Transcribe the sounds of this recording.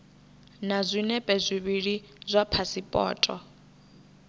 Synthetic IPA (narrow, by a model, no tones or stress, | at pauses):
nazʷinɛpʼezʷiβiɺi | zʷapʰasipʼɔ̰ːtʼɔ